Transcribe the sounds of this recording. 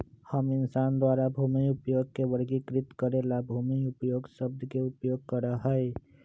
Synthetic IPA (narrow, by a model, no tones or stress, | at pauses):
həmɪnsand̪waɾabʱumiupjoːɡ̚kebəɽɡikɾɪt̪kəɾelabʱumiupəjoːɡsəb̚d̪ʱkeupjoɡ̚kəɾəɦəe